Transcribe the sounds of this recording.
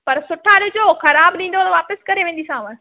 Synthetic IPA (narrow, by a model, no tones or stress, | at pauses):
pɐɾsʊʈʰãːɗɪd͡ʑoxɐɾaːbɗĩːn̆d̪onʋaːpəskɐɾeʋẽːn̆d̪isãːʋə̃